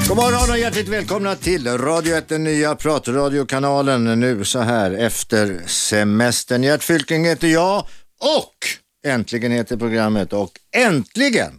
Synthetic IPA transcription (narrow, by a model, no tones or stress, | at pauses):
ɡɔmɑːɾəanɔjæʈlɪkt̪vɛːlkʰɔmnat̪ʰɪlɾɑːd̪ɪʊɛt̪̚d̪ɛnːyːapʰɾɑːt̪ɾɑːd̪ɪʊkʰanɑːlənːʉ̟ːsɔɦæːɾɛft̪əɾsɛmɛst̪əɳjæʈfʏlk̪ɪŋheːt̪əɾjɑːɔk | ɛnt̪ʰlɪɡənheːt̪əɾpʰɾʊɡɾamːət̪ɔkɛnt̪lɪɡə̰n